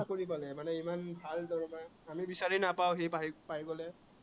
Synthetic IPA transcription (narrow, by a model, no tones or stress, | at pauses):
koɹip̬alɛmanɛimanbʱaldɔɹma | amibisaɹinapawɦejpapajɡɔlɛ